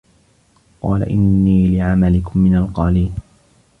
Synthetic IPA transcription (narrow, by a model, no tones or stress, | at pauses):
qɑːla̰ʔɪnːiːlɪʕamalɪkʊmːɪnalqɑːliːn